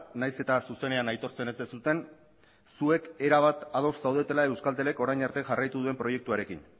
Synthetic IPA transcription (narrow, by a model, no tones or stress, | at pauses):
najse̞t̪asuse̞ne̞anajt̪o̞ɾt͡se̞ne̞zd̪esut̪e̞n | sue̞ke̞ɾaβ̞at̪að̞o̞sːawð̞e̞t̪e̞lae̞wskalt̪e̞le̞ko̞ɾajɲaɾt̪e̞ʝarajt̪uðue̞mpɾo̞je̞k̚t̪uaɾe̞kḭn